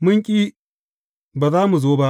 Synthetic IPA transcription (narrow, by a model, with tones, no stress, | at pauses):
mʊ˦ŋkʲʼiː˦ | baː˨zaː˦mu˨zoː˦ba˦ʔ